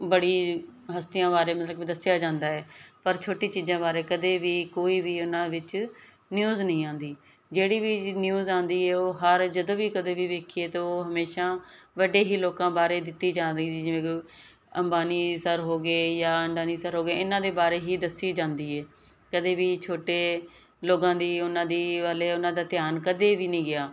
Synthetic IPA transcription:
bəɽiːɦəst̪ɪjãːbaːɾeːmət̪ləkid̪əsjaːd͡ʒãːnd̪aːɛːpəɾt͡ʃʰoːʈiːt͡ʃiːzãːbaːɾeːkəd̪eːʋiːkoːiːʋiːʊnãːʋɪt͡ʃ | njuːznəĩːãːnd̪iː | d͡ʒeːɽiːʋiːnjuːzãːnd̪iːɛːoːɦəɾd͡ʒəd̪õːʋiːkəd̪eːʋiːʋeːkʰieːt̪ooːɦəmeːʃaːʋəɖeːɦiːloːkãːbaːɾeːd̪ɪt̪ːiːd͡ʒãːɾiːt̪iːd͡ʒɪʋẽː | əmbaːniːsəɾɦoːɡeːjaːəɳɖaːniːsəɾɦoːɡeːɪnãːd̪eːbaːɾeːɦiːd̪əsiːd͡ʒãːnd̪iːɛː | kəd̪eːʋiːt͡ʃʰoːʈeː | loːɡãːd̪iːʊnãːd̪iːʋaːleːʊnãːd̪aːt̪ɪjaːnkəd̪eːʋiːnəĩːɡɪaː

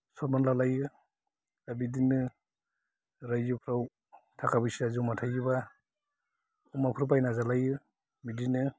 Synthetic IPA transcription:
sɔɾmanlalajɯ | abidinɯ | ɾajzɯpʰɾaw | tʰakʰabɯjsiazumatʰajɡɯba | umapʰɾupajnazalajɯ | midinɯ

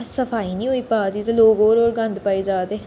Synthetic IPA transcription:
səfʰaːiːnĩːɦoːiːpaːd̪iːt̪eloːɡoːɾoːɾɡə̃nd̪paːiːd͡ʒaːd̪eː

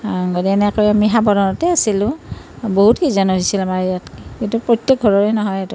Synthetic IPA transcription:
ɡodiɛnɛkɔɹjamiɦabɔdɔnɔtɛasilʊ̃boɦutkizanɔɦisilamaɹjatkitupɹotːɛk̚ɡʱɔɹɔɹɛnɔɦɔjɛtʊ

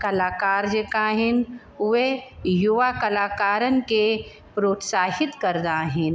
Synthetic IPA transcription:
kɐlaːkaːɾd͡ʒəkaːɦɪn | ʊʋejʊʋakɐlaːkaːɾənke | pɾoːt̪saːɦɪt̪kɐɾd̪aːɦɪn

